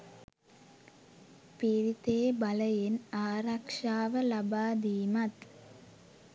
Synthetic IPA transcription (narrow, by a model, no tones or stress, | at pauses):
piɾit̪eːbɐləjenaːɾɐkʂaːʋəlɐbaːd̪iːmɐt̪